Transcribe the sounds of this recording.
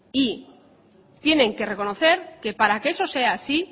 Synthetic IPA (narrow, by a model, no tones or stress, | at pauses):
i | t̪je̞nẽ̞ŋke̞re̞ko̞no̞θe̞ɾke̞paɾakeeso̞se̞aːsi